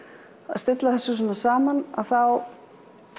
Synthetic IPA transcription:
aðst̪ɪt̪laðθɛsːʏs̬ɛmasaːmana̰ðθaw

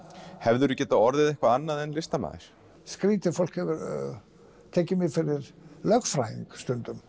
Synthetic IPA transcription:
hɛvðʏɾʏcɛːt̪aɔɾðɪðɛhkvaanːaðɛnlɪst̪ama̰ːðɪ̰ɾ̥ | skɾiːt̪ɪfowl̥khɛvɪɾ | t̪ʰɛːcɪmɪfɪɾɪɾlœkfɾajiŋkst̪ʏnt̪ʏm

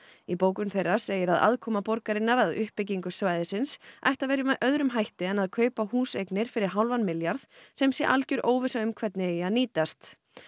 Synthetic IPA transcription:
ipoːwkʏnθejrːḁseːjɪɾaða̰ðkʰɔːmapɔɾkaɾɪnːaɾaðʏhpːɪciŋkʏsvaːjðɪsɪnsʔa̰jht̪aðvejɾɪmʔœðɾʏmɦajht̪ɪɛnaðkʰœːɥpahuːsejknɪɾ̥fɪɾɪɾ̥ɦawlvanmɪljaɾθsɛmsjɛʔalcʏɾʔoːwvɪsaʏmkʰvɛt̪nɪaðniːt̪ast̪

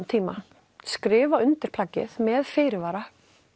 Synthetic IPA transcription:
t̪ʰiːma | skɾɪːvaʏnt̪ɪɾ̥pʰlaːcːɪ̰ðmɛðfɪːɾɪvaːɾa

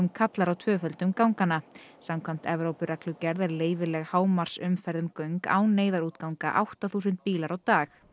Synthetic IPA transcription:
mkʰat̪laɾawt̪ʰvœːfœlt̪ʏmkawŋkanːasamkʰam̥t̪ɛvɾowpʏɾaklʏcɛɾðɛɾleːjvɪlɛɣhaːwmaɾ̥sʏmfɛɾðʏmkœɥŋka̰ːwneːjðaɾuːt̪kawŋka̰ʔawht̪aθuːsʏnt̪̚piːlaɾawt̪aːx

